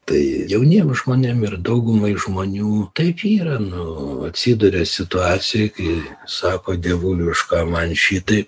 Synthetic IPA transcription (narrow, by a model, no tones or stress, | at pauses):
t̪ɐɪjɛʊnʲiːmʒmoːnʲemɪrd̪ɐʊɡʊmɐɪʒmoːnʲuːt̪ɐɪpiːɾɐnʊɐt̪ʲsʲiːd̪ʊɾʲesʲɪt̪ʊɑːt͡sʲɪjɛkɐɪsɑːkoːd̪ʲiɛʋuːlʲʊɪʃkɑːmɐnʃʲiːt̪ɐɪ